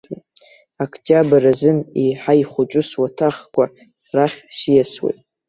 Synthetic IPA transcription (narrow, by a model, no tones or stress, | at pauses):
akʰtʰʼabarazɨniħajχʷʊt͡ʃʷʼʊswatʰaχkʷʼa | raχʲʃijaswḛjtʼ